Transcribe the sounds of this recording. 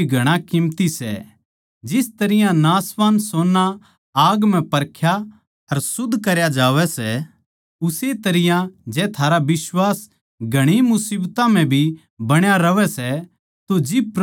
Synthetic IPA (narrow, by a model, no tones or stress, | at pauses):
ɡʱɐɽ̃akɪmt̪isɛ̰ | d͡ʒɪst̪ɐɾɪjãnaːsʋaːnsoːnːa | aːɡm̤ɛ̃pɐɾkʰja | ɐɾsʊd̪ʱːkɐɾjad͡ʒaːʋɛsɛ | ʊset̪ɐɾɪjãd͡ʒɛːt̪ʰaːɾaʋɪswaːs | ɡʱɐɽ̃imʊsiːbt̪ãm̤ɛ̃bʱi | bɐɽ̃jaɾɐʋɛsɛ | t̪od͡ʒɪbp